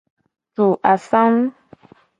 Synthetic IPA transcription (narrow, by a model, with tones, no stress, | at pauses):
tu˨ʔa˨sa˦m˦